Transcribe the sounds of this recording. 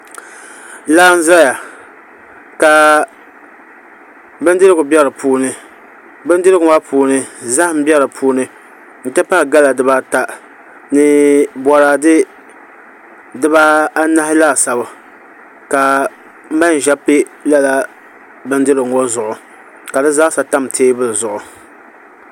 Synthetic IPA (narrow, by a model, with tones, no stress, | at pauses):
laː˦n̩˦zɨ˦ɾa˦ja˨ | ka˨ | bɨ˦ndɨ˦ɾɨ˦ɡʊ˨bjɛ˦ɾɨ˨pʰuː˦nɨ˨ | bɨ˦n˦dɨ˦ɾɨ˦ɡʊ˨˦a˦pʰuː˦nɨ˦za˦hm̩˦bɛ˦ɾɨ˨pʰuː˦nɨ˦ | n̩˨tɨ˦pa˦˨ɡa˦la˨dɨ˦ba˦ta˦ | nɨ˨bɔ˨ɾaː˨dɨ˦ | dɨ˦ba˦a˦na˦hɪ˦la˦˨sa˨ba˨ | ka˨˦ | ma˦n˨ʒa˦pe˦la˦la˦ | bɨ˦n˦dɨ˦lɨ˨ŋo˦zʊ˨ʔʊ˨ | ka˨dɨ˦za˦sa˨ta˦mtʰeː˦bɨ˦lɨ˨zʊ˨ʔʊ˨